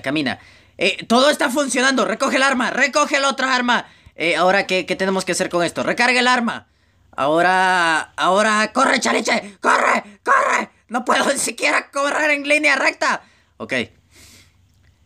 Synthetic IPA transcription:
kamĩna̰ | et̪o̞ðo̞e̞st̪afunsjo̞nand̪o̞re̞ko̞xelaɾmare̞ko̞xelao̞t̪ɾaaɾma | eao̞ɾakeke̞t̪ene̞moske̞ase̞ɾko̞ŋe̞st̪orʔe̞kaɾɣelaɾma̰ | a̰o̞ɾaː | oɾako̞ret͡ʃalet͡ʃekorḛkorḛ | no̞pweðo̞nisikje̞ɾakoβreɾe̞ŋlinjare̞k̚t̪a | o̰kḛj

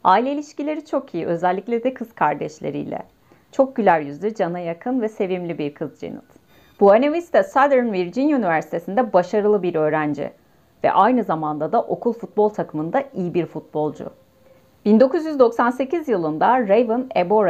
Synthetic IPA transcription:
ailʲeilʲiʃcilʲe̞ɾit͡ʃʰo̞kʰijiʔø̞zælʲːiclʲed̪ɛkʰɯz̥kʰaɾd̪ɛʃlʲḛɾḭjlʲɛ̰ | t͡ʃʰo̞k̚ɟylʲæɾjyzlʲyd͡ʒanajakʰɯnvɛse̞vimlʲibiɾkʰɯzd͡ʒḛnɯ̰t̪ | b̥uanevist̪ʰasad̪ɾnviɾd͡ʒinynivæɾsi̥t̪ʰe̞sind̪ɛbaʃaɾɯlˠɯbiɾø̞ːɾænd͡ʒḭ | vɛ̰ʔajnɯzamand̪ad̪aʔo̞kʰulˠfut̪̚bo̞lˠt̪ʰakʰɯmɯnd̪aijibiɾfut̪̚bo̞lˠd͡ʒʊ̰ | b̥ind̪o̞kuzjyzd̪o̞ksanse̞cʰizjɯlˠɯnd̪aɾejvɯneboɾ

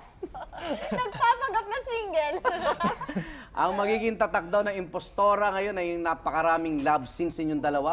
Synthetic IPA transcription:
nɐɡ̚paːpɐɡɐp̚nɐsiːŋɡɛl | ʔɐŋmɐɡiːɡɪŋt̪ɐt̪ɐk̚d̪awnɐŋɪmpost̪oːɾɐŋɐjo̞nɐjʊŋnaːpɐkɐɾaːmɪŋlabsɪnsɪɲʊŋd̪ɐlɐwa

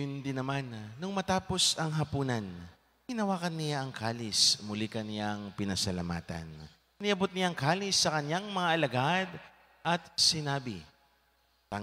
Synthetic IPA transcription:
ʊnd̪ɪnɐmanːʊŋmɐt̪aːpo̞sɐŋɦɐpuːnɐn | ɡɪnɐwaːkɐnːɪjaʔɐŋkʰaːlɪsmʊlikɐnɪjaŋpɪnɐsɐlɐma̰ːt̪ɐ̰n | nɪʔɐbot̪̚nɪjaŋkaːlɪsːɐkɐnjaŋmɐŋaʔɐlɐɡad̪ | ʔɐt̪̚sɪnaːbɪ̰ | ɐ

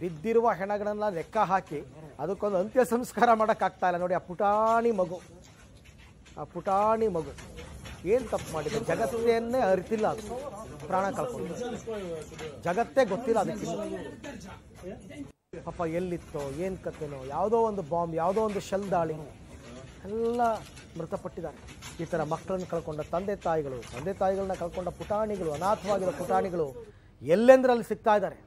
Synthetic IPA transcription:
bid̪ːiɾuʋɐɦɛɳɐɡɐɭɐnːɐnɛkːɐɦaːkiɐd̪ɐkːond̪ɐnt̪jɐsɐmskaːɾɐmaːɽɐkːaːɡ̚t̪aːjilːɐnoːɽiaːpuʈaːɳimɐɡu | aːpuʈaːɳimɐɡu | eːnt̪ɐpːmaːɽid̪ed͡ʒɐɡɐt̪ːjɐnːeːɐɾit̪ilːɐːd̪upɾaːɳɐkɐɭkoɳt̪ie | d͡ʒɐɡɐt̪ːe̞ːɡot̪ːilːɐɐd̪ɐkːilːu | pɐpːɐelːit̪ːoːeːnkɐt̪ːenoːjaːʋd̪o̞ːond̪ubaːmbjaːʋd̪oːond̪uʃɛld̪aːɭi | ɛlːɐ | mɾut̪ɐpɐʈːid̪aːɾe | iːt̪ɐɾɐmɐkːɐɭɐnːɐkɐɭko̞ɳɖɐt̪ɐnd̪eːt̪aːjiɡɐɭut̪ɐnd̪eːt̪aːjiɡɐɭɐnːɐkɐɭkoɳɖɐpuʈaːɳiɡɐɭuɐnaːt̪ʰɐʋaːɡiɾopuʈaːɳiɡɐɭu | elːend̪ɐɾɐlːisiɡ̚t̪aːjd̪aːɾe

